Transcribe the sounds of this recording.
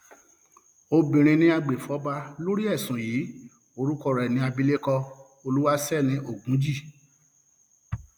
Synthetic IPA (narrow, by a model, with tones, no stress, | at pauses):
o˧bĩ˨ɾ̃ĩ˧nĩ˦a˧ɡ͡be˨fɔ˨˦ba˧lo˦ɾi˦ɛ˦˨sũ˨jiː˨˦ | o˧ɾu˦kɔ˦˨ɾɛ˨nĩ˧˦a˧bi˧˦le˦kɔ˧ | o˧lu˦wa˦sɛ˦˨nĩ˨˧˦ʔo˦˨ɡũ˨˦d͡ʒi˦˨